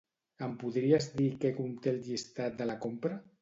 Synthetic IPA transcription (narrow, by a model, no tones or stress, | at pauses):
əmpuðɾiazðikekumt̪elʎist̪at̪̚d̪əlakompɾə